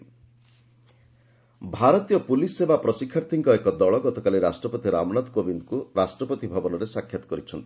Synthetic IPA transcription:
bʱaɾɔt̪ijɔpulisebapɾɔsikʰːaɾt̪ʰiŋkɔekɔd̪ɔɭɔɡɔt̪ɔkaliɾasʈɾɔpɔt̪iɾa̰mɔnat̪kobind̪kuɾasʈɾɔpɔt̪ibʱabɔnɔɾesakʰjat̪ɔ̥kɔɾit͡ʃʰɔnt̪i̥

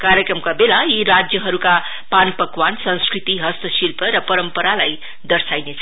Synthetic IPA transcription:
kaɾjʌkrʌmkabelaiɾad͡zjʌɦʌɾuka | panpʌkwansʌ̃ñskrit̪iɦʌst̪ʌsilpʌɾʌpʌɾʌmpʌɾalaj | d̪ʌrsajnet͡sʰ

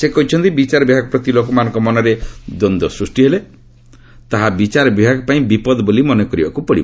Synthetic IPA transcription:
sekɔɦit͡ʃʰɔnt̪ibit͡ʃaɾɔbibʱaɡɔpɾɔt̪ilokɔmanɔ̃ŋkɔmɔnɔɾed̪ɔnd̪ɔsɾusʈiɦele | t̪aɦabit͡ʃaɾɔbibʱaɡɔpaĩbipɔd̪ɔbolimɔnekɔɾibakupɔɽḭ

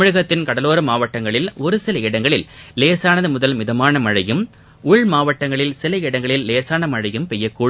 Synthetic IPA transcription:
ɪɻɯɣɐt̪ːɪnkɐɽɐloːɾɐmaːʋɐʈːɐŋɡɐɭɪlɔɾɯsɪlɐɪɽɐŋɡɐɭɪlleːsaːnɐðɯmʊðɐlmɪðɐmaːnɐmɐɻɐjɯm | ʊɭmaːʋɐʈːɐŋɡɐɭɪlsɪlɐɪɽɐŋɡɐɭɪlːeːsaːnɐmɐɻɐjɯmpɛjːɐkːuːɽ

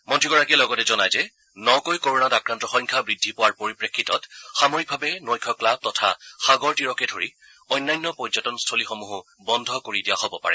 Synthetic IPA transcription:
mɔntʰiɡɔɹakiɛlɔɡɔtɛzɔnajzɛ | nɔkojkoɹɔnatakɹantɔxɔjŋkʰabɹidʱːipɔwaɹpoɹipɹekʰːitɔtxamɔɹik̚bʱabɛnojkʰɔklab̚tɔtʰa̰xaɡɔɹtiɹɔkɛdʱoɹi | ɔjnːajnːɔpɔzatɔnstʰolixomuɦʊ | bɔndʱɔkoɹidijaɦobɔpa̰ɹɛ̰

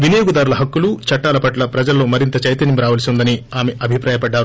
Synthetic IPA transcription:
ʋinɐjoːɡud̪aːɾulɐɦɐkːulut͡ʃɐʈːaːlɐpɐʈlɐpɾɐd͡ʒɐlɐloːmɐɾint̪ɐt͡ʃɐjt̪ɐnimɾaːʋɐlisiund̪ɐniaːmeʔɐbʱipɾaːjɐpɐɖːaːɾu

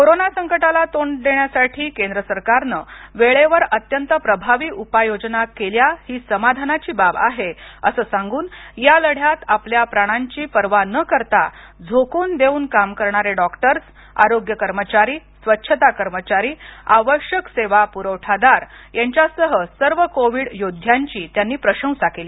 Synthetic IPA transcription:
koɾonasəŋkəʈalat̪oɳɖd̪eɳjasaʈʰiːkend̪ɾəsəɾkaɾnəʋeɭeʋəɾət̪jənt̪əpɾəbʱaʋiːʔupajod͡ʑnakeljahiːsəmad̪ʱanat͡ɕiːbaba̰ɦeəsəːsãŋɡuːnjaləɽ̤jat̪apljapɾaɽ̃aɲt͡ɕiːpəɾʋanəkəɾt̪a | d͡zʱokuːnd̪euːnkamkəɾɳaɾeɖɔkʈəɾs | a̰ɾoɡjəkəɾmət͡ɕaɾiːsʋətːɕʰət̪akəɾmət͡ɕaɾiːaʋəɕjəkseʋapuɾəwʈʰad̪aɾjaɲt͡ɕjasəɦəsəɾʋəkoʋiɽjod̪ʱjaɲt͡ɕiːt̪janːiːpɾəɕə̃w̃sakeliː

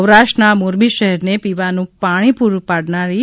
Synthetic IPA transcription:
wɾaʃʈənamoɾbiʃəɦɛɾnepiʋanũpaɽ̃ipuɾpaɽnaɾi

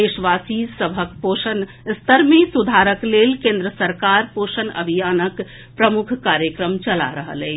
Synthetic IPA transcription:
eʃʋasisəbʱək̚poʃən | st̪əɾmẽsud̪ʱaɾəklelkẽnd̪ɾəsəɾkaɾposənə̰bʱijanək | pɾəmukʰkaɾjəkɾəmt͡ʃəla̰ɾəɦə̰lɛ

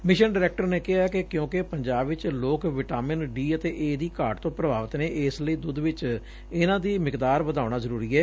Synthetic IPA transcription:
mɪʃənɖːɾɛːk̚ʈəɾneːkɪɦaːkekjõːkepəɲd͡ʒaːbʋɪt͡ʃloːkʋɪʈaːmɪnɖiːət̪eːʔeːd̪iːkaːɾʈt̪õːpɾəbaːʋət̪neːʔɪːsləiːd̪ʊd̪ʋɪt͡ʃ | ɪnãːd̪iːmɪkd̪aːɾʋəd̪aːʊnaːzəɾuːɾiːɛː

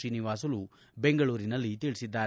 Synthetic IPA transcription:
iːniʋaːs̬ɐlu | beŋɡɐɭuːɾinɐlːit̪iːɭisid̪ːaːɾ

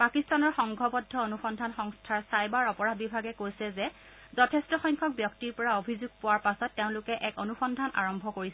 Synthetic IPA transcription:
pakistanɔɹxɔŋɡʱɔbɔdʱːɔonuxɔndʱanxɔŋstʰaɹsajbaɹɔpɔɹabibʱaɡɛkojsɛzɛ | zɔtʰɛstɔxɔjŋkʰɔk̚bjɔktiɹpɔɹaobʱizuɡ̚pʊwaɹpasɔtːeʊ̃nlʊkɛʔɛkonuxɔndʱanʔa̰ɹɔmbʱɔkoɹisɛ

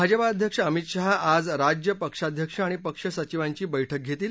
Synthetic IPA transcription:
bʱad͡ʑəpaːd̪ʱjəkʂəəmit̪ɕaɦad͡zɾad͡ʑjəpəkʂad̪ʱjəkʂəaɽ̃ipəkʂəsət͡ɕiʋaɲt͡ɕiːbəjʈʰək̚ɡʱet̪iːl

